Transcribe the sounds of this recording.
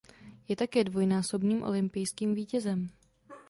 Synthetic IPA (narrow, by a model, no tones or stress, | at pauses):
jɛt̪akɛːdvo̞jnaːso̞bniːmʔo̞̰lɪmpɪjskiːmviːcɛzɛm